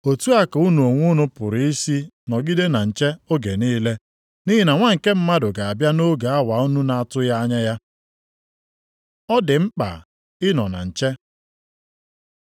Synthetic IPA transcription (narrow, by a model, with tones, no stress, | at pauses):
o˨tu˦a˦ka˨u˦nu˨o˨ŋʷʊ˦nʊ˦pʊ˨ɾi˨i˦si˦ | nɔ˨ɡi˦de˦na˨n̩˨t͡ʃe˦o˦ɡe˨niː˦le˦ | ni˦ɦi˦na˨ŋʷa˦ŋ̩˨ke˦m̩˦ma˦dʊ˨ɡa˨a˨bja˦no˦ɡa˨a˦wa˨u˦nu˦na˨a˨tʊ˦ja˦a˦ɲa˦ja˦ | ɔ˦dɪ˨ŋ͡m̩˦k͡pa̰˨ | ɪ˦nɔ˨na̰˨n̩˨t͡ʃe˦